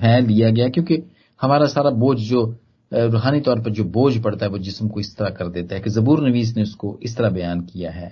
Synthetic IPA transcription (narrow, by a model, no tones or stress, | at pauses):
pʰɛːlːijaɡɐjaɦɛkjõːke | hɐmaːɾasaːɾaboːd͡ʒd͡ʒoː | ɾoːɦaːnit̪ɔːɾpɐɾd͡ʒoːboːd͡ʒpɐɽt̪aɦɛʋoːd͡ʒɪsmkoɪst̪ɐɾakɐɾd̪eːt̪aɦɛkezɐbuːɾnɐʋiːzneʊskoʔɪst̪ɐɾabɐjaːnkijaɦɛː